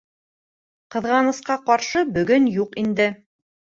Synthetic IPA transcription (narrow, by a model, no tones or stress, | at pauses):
qɤ̆ðʁɑnɤ̆sqɑqɑɾʃɤbɵ̆ɡɵnjuqind̪ɘ